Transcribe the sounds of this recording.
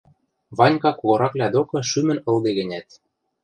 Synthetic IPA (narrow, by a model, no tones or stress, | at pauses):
βɑnʲkɑkoɣɤ̆ɾɑklʲæd̪okɤ̆ʃymɘ̆nɤ̆ld̪eɣɘ̆nʲæt̪̚